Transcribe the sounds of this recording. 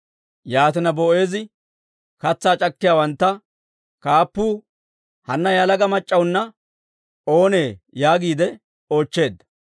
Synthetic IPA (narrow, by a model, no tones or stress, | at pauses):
jaːt̪ɪnɐboːʔe̞ːzɪ | kɐt͡sːaːt͡ʃʼɐkːɪjaːwɐnt̪ːɐ | kaːpːuː | hɐnːɐjalɐɡɐmɐt͡ʃʼːɐwnːɐ | o̞ːneːjaːɡiːd̪ɛ | o̞ːt͡ʃːe̞ːd̪ːɐ